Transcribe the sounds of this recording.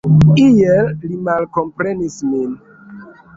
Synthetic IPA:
ijellimalkompɾenismin

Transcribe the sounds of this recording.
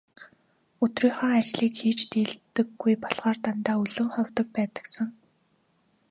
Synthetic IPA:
ɵt̪riːχɔ̆ːat͡ɕɮiːkxiːt͡ɕt̪eːɮt̪ɘ̆ɡːujpɔɮʁaːrt̪ant̪aːɵɮɵ̆ŋχɔwt̪ɞ̆k̚pæːt̪ə̥̆ksə̆ŋ

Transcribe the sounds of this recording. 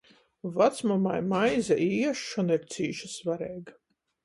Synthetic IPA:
vat̪smɔmajmajzaʔiːɛʃːɔniɾt̪siːʃasvaɾɛːɡ

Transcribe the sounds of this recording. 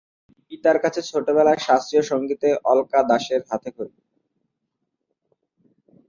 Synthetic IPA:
pit̪aɾkat͡ɕʰet͡ɕʰoʈebɛlaeʃast̪ɾioʃoŋɡit̪eʔɔlkad̪aʃeɾɦat̪ʰekoɾ

